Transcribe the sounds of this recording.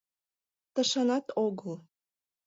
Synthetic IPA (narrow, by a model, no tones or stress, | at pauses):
t̪ə̆ʃɑnɑt̪oɣəl